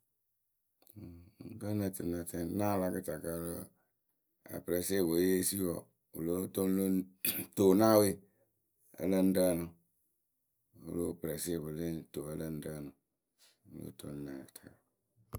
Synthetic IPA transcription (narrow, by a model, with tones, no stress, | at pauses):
ɡə˦na˨tɨ̰˨na˨tɛ˦nã˦la˦kɨ˦ta˨ka˦lə˦ | a̰˨pɨ˨ɾɛ˨se˦˨bo˨˦je˦si˦wɔ˨ | ṵ˨lo˦to˦n˦lo˦to˨na˦we˦ | ə̰˨˦lə˦n̩˦də˦˨nʊ˨ | ṵ˦lo˦pɨ˨ɾɛ˨se˦˨bɨ˨li˦to˨ə˦lə˦n̩˦də˦˨nʊ˨ | u˨lo̰˦to̰˦n˦na˨kɨ˨tḁ˨ka˨